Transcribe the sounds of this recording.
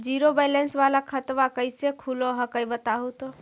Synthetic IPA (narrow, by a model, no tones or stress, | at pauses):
d͡ʒiɾobɛjlensʋalakʰət̪ʋakəjsekʰuloɦəkəjbət̪aɦut̪o